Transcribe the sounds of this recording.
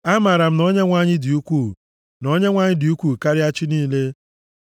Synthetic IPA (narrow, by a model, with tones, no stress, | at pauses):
a˦ma˨ɾa˨m̩˦nɔ˦ɲe˦ŋʷa˦˨ɲɪ˦di˨u˦kʷu˦˨ | nɔ˦ɲe˦ŋʷa˦ɲɪ˦di˨u˦kʷuː˦˨ka˦ɾɪ˦a˦t͡ʃɪ˦niː˦le˦